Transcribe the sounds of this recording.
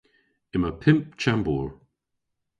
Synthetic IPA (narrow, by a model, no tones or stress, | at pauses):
ɪməpʰɪmp̚t͡ʃʰambuɹ